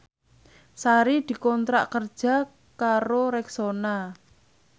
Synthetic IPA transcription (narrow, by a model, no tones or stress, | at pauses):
saɾid̪̥i̤kɔnt̪ɾa̰ʔkərd̥ʒ̥a̤ | kaɾoɾɛksona